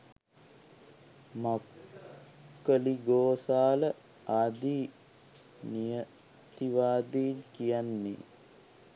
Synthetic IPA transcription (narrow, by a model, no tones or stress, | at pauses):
ma | kːəliɡoːsaːlə | aːd̪iː | nijə | t̪iʋaːd̪inkijanːḛ